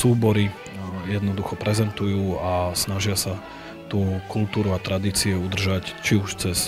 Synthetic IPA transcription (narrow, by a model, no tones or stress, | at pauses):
suːbɔɾi | jɛd̪nɔd̪uxɔpɾɛzɛnt̪ujuːasnaʒɪasa | t̪uːkult̪uːɾuat̪ɾad̪iːt͡siɛud̪r̩ʒact͡ʃiuʃt͡sɛs